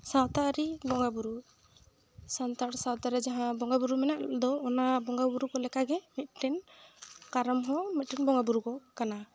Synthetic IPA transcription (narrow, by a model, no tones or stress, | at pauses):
sawt̪aɾibɔŋɡabuɾu | sant̪aʈsawt̪aɾɛd͡ʒaɦãbɔŋɡabuɾumɛnaʔd̪ɔːnabɔŋɡabuɾukɔlɛkaɡɛmit̪̚ʈɛn | kaɾɔmɦɔ̃mit̪̚ʈɛnbɔŋɡabuɾukɔkana